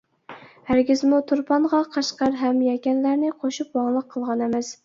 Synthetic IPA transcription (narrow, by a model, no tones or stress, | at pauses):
hæɾɡʲɪzmut̪ʰuɾpʰɑnʁɑqʰɑʃqɑɾɦɛmjɛkʲɛnlæɾnɪqʰoʃupwɑŋlˠəqʰːəlˠʁɑnɛmɛs